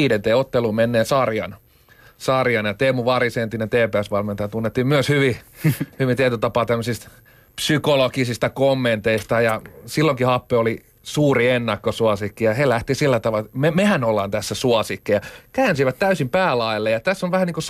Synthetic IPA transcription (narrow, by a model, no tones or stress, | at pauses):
iːdent̪eːot̪ːeluːmenːeːsɑrjɑ̰n | sɑrjɑnjɑt̪eːmuʋɑrisent̪ːinent̪eːpeæsʋɑlment̪ɑjɑt̪unːet̪ːiːmmyøshyʋihyʋint̪iet̪øt̪ɑpɑːt̪æmːøsist̪ | psykolokisist̪ɑkomːent̪eist̪ɑjɑsilːoŋkihɑpːeoli | suːrienːɑkːosuɑsikːijɑhelæht̪isilːæt̪ɑʋɑlmemehænolːɑnt̪æsːæsuɑsikːijɑkæːnsiʋæt̪t̪æysimpæːlɑilːejɑt̪æsːoʋæhæniŋkos